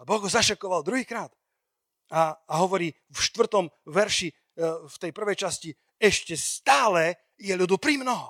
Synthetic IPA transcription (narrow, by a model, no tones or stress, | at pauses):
abɔɣɦɔzaʃakɔʋald̪ɾuɦiːkɾaːt̪ | aːɦɔʋɔɾiː | fʃt̪ʋr̩t̪ɔmʋɛɾʃi | ft̪ɛjpr̩ʋɛjt͡ʃasci | ɛʃcɛst̪aːlɛ | jɛʎud̪upɾimnɔɦɔ